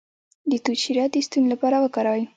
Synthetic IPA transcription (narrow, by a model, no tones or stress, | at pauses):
d̪ət̪uʃiɾjɑt̪̚d̪əst̪unlapɑɾawəkɑɾɑwi